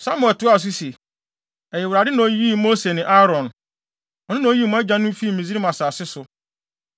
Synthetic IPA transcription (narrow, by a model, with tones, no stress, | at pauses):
sa˦mʊ̃˦˨tʊ˦a˦˨s̬ʊ˦se˨ | ɛ˨jɛ˨wʊ˨ɾa˨dɪ˦nã˨o˦ji˦mo˦se˨nɪ̃˨ʔa˦ɾɔ̃˨n | ɔ˨nɪ̃˦nã˨o˦ji˦˨mʊ̃˦ɛ˦d͡ʑã˦nʊ̃˦fi˦˨mĩ˨zi˦ɾi˦mã˨saː˨sɪ˦sʊ˨